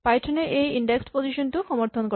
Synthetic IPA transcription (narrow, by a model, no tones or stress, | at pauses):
pajʈʰoneʔejiɳɖekspod͡ʑiʃonʈ̪uʃɔmoɾt̪ʰonko